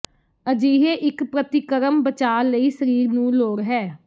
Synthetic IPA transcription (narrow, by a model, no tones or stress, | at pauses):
əd͡ʒiːɦeːʔɪkpɾət̪ɪkəɾəmbət͡ʃaːləiːsəɾiːɾnũːloːɾɦɛː